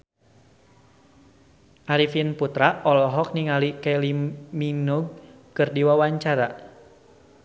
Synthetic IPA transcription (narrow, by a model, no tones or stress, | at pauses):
ʔaɾifinput̪ɾaɔlɔɦɔk̚niŋalikɛliminuɡ̚ | kɨrdiwawaɲt͡ʃaɾa